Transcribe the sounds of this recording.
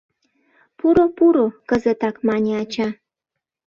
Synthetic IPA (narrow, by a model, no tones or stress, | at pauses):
puɾopuɾokəzət̪ɑkmɑnʲeɑt͡ɕɑ